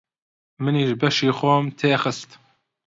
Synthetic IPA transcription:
mɨniːʒbɛʃiːxʷɔmt̪ʰeːxɨst̪

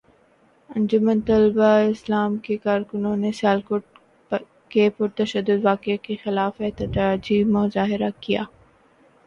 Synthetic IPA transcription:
ɐ̃nd͡ʒʊmə̃nt̪ɐlbaɪslaːmkekaːɾkʊnõnesjaːlkʊɖ | kepʊɾt̪ɐʃəd̪ːʊd̪ʋaːkekexɪlaːfɛt̪əd̪ad͡ʒiːmʊzaːɦɪɾakija̰ː

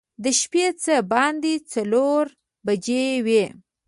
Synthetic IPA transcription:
d̪əʃpet͡səbɑnd̪it͡saloɾ | bad͡ʒewe

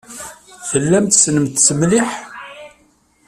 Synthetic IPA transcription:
θəlːæmt̪snəmt̪səmliħ

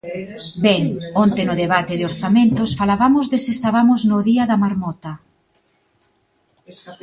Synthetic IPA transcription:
bɛŋont̪ɪnʊðeβat̪ɪðoɾθamẽnt̪ʊsfalaβamʊzðɪsest̪aβamʊznʊðiɐðɐmaɾmɔt̪ɐ

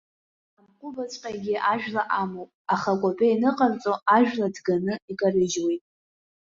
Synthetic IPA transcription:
amqʷʼʊbat͡sʷʼqʲʼaɡʲiʔaʒᶣlaʔamowpʼaχakʷʼapʼainɨqʼart͡sʼoaʒᶣladɡanɨikʼarɨd͡ʒwejtʼ

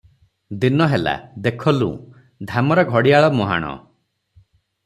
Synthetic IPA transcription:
d̪inɔɦela̰d̪ekʰɔlṵ̃ | d̪ʱamɔɾaɡʱɔɽiaɭɔmɔɦa̰ɽ̃ɔ̰

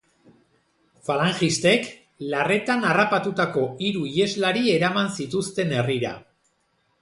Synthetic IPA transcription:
falaŋxist̪e̞k | lare̞t̪anarapat̪ut̪ako̞iɾuie̞zlaɾie̞ɾamansit̪ust̪e̞ne̞riɾa̰

